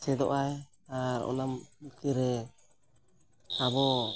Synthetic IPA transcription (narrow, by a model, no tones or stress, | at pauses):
sɛd̪ɔ̰ʔaj | aɾɔ̰namk̪iɾɛ | abɔ